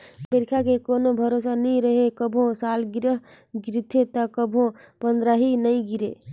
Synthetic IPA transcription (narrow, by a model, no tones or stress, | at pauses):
pəɾkʰakekonobʱəɾosanəjɾəɦekəbʱõsalɡiɾəɦ | ɡɾit̪ʰet̪əkəbʱõ | pənd̪ɾaɦinəjɡiɾḛ